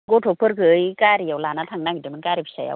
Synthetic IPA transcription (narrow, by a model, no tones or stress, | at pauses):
ɡɔtʰɔpʰɯɾkʰɯɯjkaɾijawlanatʰaŋnaŋɡitemɯnkaɾipʰi̥saja̰w